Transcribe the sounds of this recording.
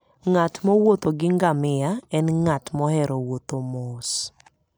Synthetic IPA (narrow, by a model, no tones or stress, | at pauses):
ŋatmɔwot̪oɡɪŋɡamɪjaɛnŋatmɔhɛɾowot̪omos